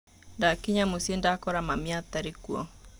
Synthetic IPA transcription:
ndakiɲamosiendakɔɾamamiat̪aɾekuɔ̰

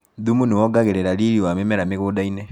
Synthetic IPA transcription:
ðumuniwɔɡaɣeɾeɾaɾiɾiwamɛmɛɾameɣuːdainɛ

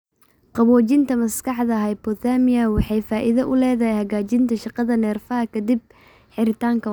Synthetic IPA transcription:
qɑβɔːt͡ʃɪnt̪ʰɐmɐskɑħðɐɦɛjbɔt̪aːmɪjɐwɑħɑjfaːʔɪðɐʔʊlɛːðɐhɛjhɐɣaːt͡ʃɪnt̪ʰɐʃɑqɑðɐnɛːrfɐɦɐkʰɐd̪ɪb̚ | ħɪɾɪt̪ʰaːŋkʰɐ

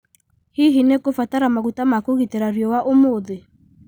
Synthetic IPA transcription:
hiɦinekofataɾamaɣutamakoɣiteɾaɾiɔwaʔomoːðe

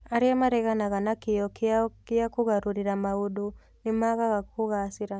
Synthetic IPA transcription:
aɾiɛmaɾɛɣanaɣanakijɔkiakiakuɣaɾuɾiɾamaudu | nimaɣaɣakuɣasiɾa

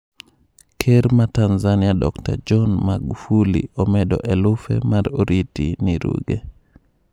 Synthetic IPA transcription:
kʰeɾmatanzaniadɔ̰kta̰d͡ʒɔnmaɡufulḭɔmɛdɔ̰ʔɛlufɛ̰maɾoɾitiniɾṵɡɛ

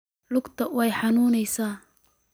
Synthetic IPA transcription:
lʊɡt̪ʰɐwɛjħɑnuːnɛjsaː

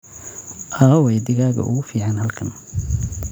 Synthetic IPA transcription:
ʔaːwɛjd̪ɪɣaːɣɐ̰ʔʊ̰ɣʊfiːʕanhɐlkʰɐn

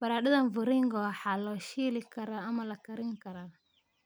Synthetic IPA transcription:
bɐɾaːɗɐðɐnvʊɾɪŋɡɔwħaːlɔːʃiːlɪkʰɐɾaɐmɐlɐkɐɾɪŋkɐɾa

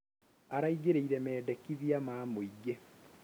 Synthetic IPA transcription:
aɾaiɡeɾeiɾɛmɛːdɛkiðiamaːmoiɡe

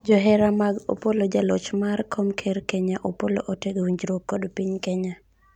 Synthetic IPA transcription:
d͡ʒɔɦɛɾamaɡo̰polod͡ʒalɔt͡ʃmarkʰomkʰeɾkɛɲaʔopolo̰ʔoteɡwiɲd͡ʒɾokːodpiɲkɛɲa

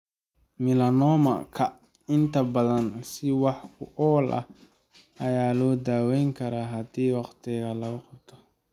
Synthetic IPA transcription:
mɪlɐnɔːmɐ̰kʰɐ | ɪnt̪ʰɐbɐðɐnsɪwɑħkʰʊʔɔːlʔɐ̰ | ɐjaːlɔːd̪aːwɛjŋkʰɐɾaːɦɐd̪iːwɑqt̪ʰɪɣɐlɐɣʊqɑbt̪ʰɔ̥

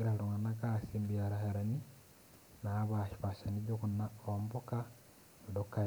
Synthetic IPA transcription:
iɾaluŋanakasimbiaɾaheɾani | naːβaʃi̥paʃaniɟokunaomboka | udokːa

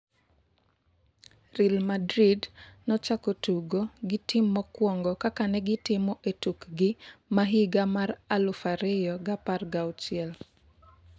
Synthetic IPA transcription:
rilmadɾidnɔt͡ʃakotuɡoɡɪtʰɪmːɔkwɔŋɡɔkakanɛɡɪtɪmɔʔetukɡɪmaɦiɡamaɾalʊfaɾɪjɔɡaparɡawt͡ʃɪɛl

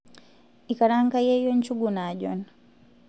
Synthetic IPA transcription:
ikaɾaŋkajɛjɔɲt͡ʃuɡunaʄɔ̰n

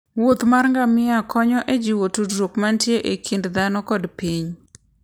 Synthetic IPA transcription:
wot̪marŋɡamɪakʰɔɲɔʔed͡ʒiwotudɾokmantjeʔekʰindd̪anɔkɔdpiɲ

